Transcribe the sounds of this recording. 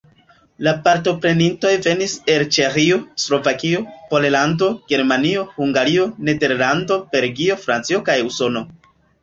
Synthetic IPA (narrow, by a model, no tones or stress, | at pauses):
lapaɾto̞pɾe̞ninto̞jve̞nise̞lt͡ʃe̞xio̞slo̞vakiopo̞lelando̞ɡ̥e̞ɾmanio̞huŋɡaɾio̞ne̞de̞ɾlando̞b̥e̞ɾɡio̞fɾant͡sio̞kajuso̞no̞